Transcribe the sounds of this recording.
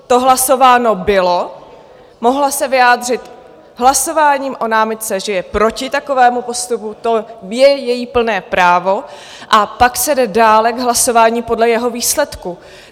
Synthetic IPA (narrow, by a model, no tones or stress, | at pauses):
t̪o̞ɦlaso̞vaːno̞bɪlo̞ | mo̞ɦlasɛvɪjaːd̪r̝ɪt̪ | ɦlaso̞vaːɲiːmʔo̞naːmɪt̪̚t͡sɛʒɛjɛpɾo̞cɪt̪ako̞vɛːmupo̞st̪uput̪o̞jɛjɛjiːpl̩nɛːpɾaːvo̞ | ʔapaksɛdɛdaːlɛɡɦlaso̞vaːɲiːpo̞dlɛjɛɦo̞viːslɛt̪ku